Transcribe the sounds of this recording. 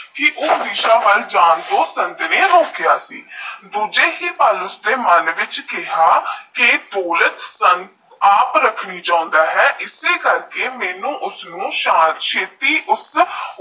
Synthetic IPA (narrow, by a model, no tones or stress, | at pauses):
kɪʔʊːd̪iːʃaːʋəld͡ʒaːnd̪oːsənd̪nẽːɾoːkjaːsḭːd̪uːd͡ʒeːɦiːpaːlʊsd̪eːmənʋɪt͡ʃkɪɦaːkɪd̪oːlət̪sənt̪ | aːpɾəkʰɽiːd͡ʒãːʊ̃nd̪aːɦɛːʔɪseːkəɾkeːmɛːnũːʔʊsnũːʃãːnt̪ʃʰeːt̪iːʔʊs